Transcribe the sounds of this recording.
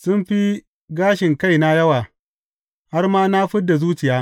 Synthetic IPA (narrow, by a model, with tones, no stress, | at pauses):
sʊ˦mɸi˦ | ɡaː˦ʃɪ˨ŋka˦˨jna˦jɐ˦waː˨ | ha˦rmaː˦na˦ɸɪ˦dːa˨zuː˦t͡ʃɪ˨jaː˦